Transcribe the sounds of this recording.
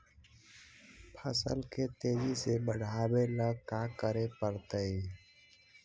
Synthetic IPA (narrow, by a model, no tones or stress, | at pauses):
pʰəsə̰lket̪eːd͡ʒisebəɽ̤ʱaːbeləkakəɾepəɾt̪əi